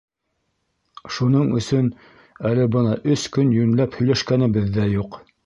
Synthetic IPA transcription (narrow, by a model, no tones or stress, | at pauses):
ʃunɤɴɵ̰̆sɵn | ælɘbɤnɑʔɵskɵnjɵ̆nlæphɵ̆jlæʃkænɘ̆bɘðːæjuq